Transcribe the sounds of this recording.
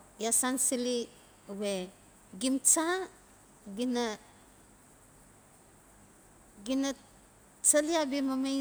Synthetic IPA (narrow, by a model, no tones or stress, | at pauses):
jasansili | uβe | ɡimt͡ʃa | ɡina | ɡina | t͡saliabimame